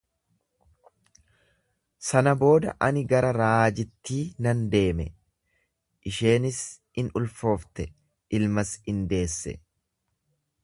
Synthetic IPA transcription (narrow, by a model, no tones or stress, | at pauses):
sɐnɐbo̞ːd̪ɐ̰ʔɐnɪɡɐɾɐɾaːd͡ʒɪt̪ːiːnɐnd̪e̞ːmɛ̰ | ʔɪʃe̞ːnɪs | ɪnʊlfo̞ːft̪ɛ | ʔɪlmɐsɪnd̪e̞ːsːɛ̰